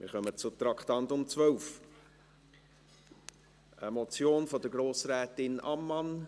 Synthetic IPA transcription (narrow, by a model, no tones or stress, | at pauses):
mɪ̰ɾχœmət͡sʊt̪ɾɑktɑntʊmt͡svœlf | əmɔt͡sjoːnfɔdəɡɾoːsɾɛːtɪnɑmːɑn